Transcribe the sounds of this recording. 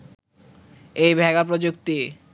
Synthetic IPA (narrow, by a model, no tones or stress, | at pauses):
ejbʱɛɡapɾod͡ʑok̚t̪i